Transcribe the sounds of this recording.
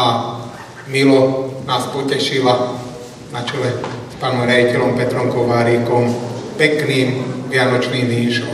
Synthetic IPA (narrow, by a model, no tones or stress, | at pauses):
a | milɔnaːspɔcɛʃila | nat͡ʃɔlɛspaːnɔmɦɾʲjaɟicɛlɔmpɛt̪ɾɔmkɔʋaːɾiːkɔmpɛkniːmʋɪanɔt͡ʃniːmʋiːʃɔ